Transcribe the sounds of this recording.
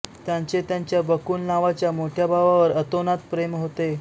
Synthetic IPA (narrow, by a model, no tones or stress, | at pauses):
t̪jãɲt͡set̪jaɲt͡ɕjabəkuːnnaʋat͡ɕjamoʈʰjabʱaʋaʋəɾət̪onat̪pɾemɦot̪e